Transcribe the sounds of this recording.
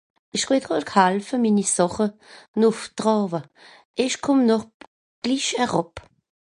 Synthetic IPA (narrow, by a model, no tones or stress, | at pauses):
ɪʃχɪdʁɔːkʰhalfəminisɔχənʊftʁɔːvə | ɪʃkʰʊmnɔχ | ɡ̥liʃhɛʁɔp